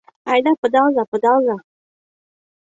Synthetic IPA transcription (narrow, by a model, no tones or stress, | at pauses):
ajd̪apəd̪ɑzapəd̪ɑza